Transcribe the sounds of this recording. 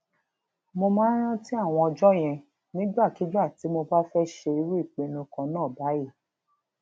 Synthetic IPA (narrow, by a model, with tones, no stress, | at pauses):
mo˧mãː˦ɾ̃ã˦ti˦a˦˨w̃ɔ̃˧ɔ˧d͡ʒɔ˦j̃ɛ̃˧ | nĩ˨˦ɡ͡ba˦˨ki˨˦d͡ʒa˦˨ti˨˦mo˧ba˦fɛ˦ʃe˧i˧ɾu˦i˦˨k͡pe˨˧nũ˧kɔ̃˨˦nãː˦˨ba˨˦ji˦˨